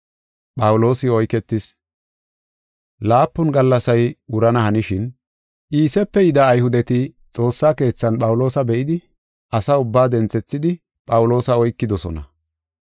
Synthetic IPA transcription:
pʼɐwʊlo̞ːsɪɔjkɛt̪ːɪs | laːpːʊnɡɐlːɐsɐjʊɾɐnɐhɐnɪʃɪn | ʔiːsɛpːɛjɪd̪ɐːjhʊd̪ɛt̪ɪ | t͡sʼo̞ːsːaːke̞ːt͡sːɐnɓʼɐwʊlo̞ːsɐbɛʔɪd̪ɪ | ʔɐsɐʊbːaːd̪ɛnt͡sɛt͡sːɪd̪ɪ | pʼɐwʊlo̞ːsɐɔjkːɪd̪ɔsɔ̰nɐ

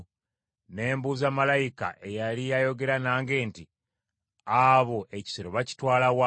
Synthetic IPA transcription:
ne̞ːmbuːzamalajika̰ʔe̞jalijajo̞ɡe̞ɾanaːŋɡe̞ːnti | aβo̞ʔe̞ci̥seɾoβaci̥twaːlawa

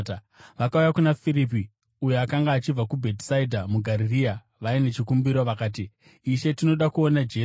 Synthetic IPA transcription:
ʋakaujakunafiɾipi | ujoakaŋɡaːt͡ʃib͡vakubʱe̞tsaidʱamuɡʱaɾiria | ʋaine̞t͡ʃikumbiɾo̞ʋakaːt̬iː | ʃe̞tino̞ɗakuo̞nad͡ʒe

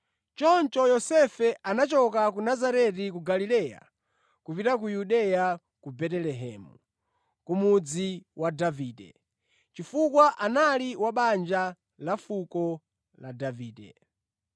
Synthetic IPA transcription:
t͡ʃɔnt͡ʃɔjɔsɛfɛʔanat͡ʃɔkakunazaɾɛtikuɡalilɛːja̰ | kupitak̬ujuɗɛja | kubɛtɛlɛɦɛːmu | kumud͡ziwadaviːdɛ̰ | t͡ʃifukwaʔanaliwaɓand͡ʒa | lafukɔ | ladaviːdɛ̰

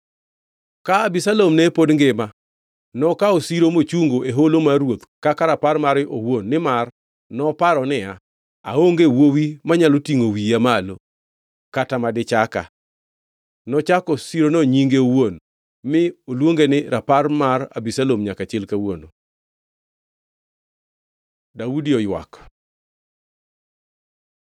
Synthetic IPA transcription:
kaabisalomnɛpodŋɡɪma | nɔkaosiɾomot͡ʃuŋɡoʔeɦolomarwot̪kakaɾaparmaɾɪʔowonːɪmar | nɔpaɾɔnɪa | a̰oŋɡewowimaɲalotiŋowiamalo | katamadɪt͡ʃaka̰ | nɔt͡ʃakɔsiɾonoɲiŋɡeowon | mɪolwoŋɡenɪɾʔaparmara̰bisalomɲakat͡ʃɪlkawono | daudiɔjwa̰k

